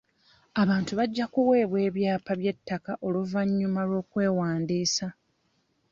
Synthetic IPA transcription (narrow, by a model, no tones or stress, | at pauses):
aβaːntuβaɟːakuwe̞ːβwe̞ːβjaːpaβje̞tːakaʔo̞luvaɲːumaɾo̞ːkwe̞ːwaːndiːsa